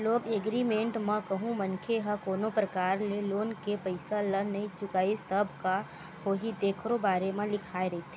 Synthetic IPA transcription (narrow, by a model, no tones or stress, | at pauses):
loːɡeɡɾimẽːɳʈmə̃kɐɦũmɐnkʰeɦəkoːnopɾɐkaːɾleloːnkepɐɪsalənɐɦĩt͡ʃʊkaːist̪əbʱka | ɦoːɦid̪eːkʰɾobaːɾemẽlɪkʰaːeɾɐit̪ʰe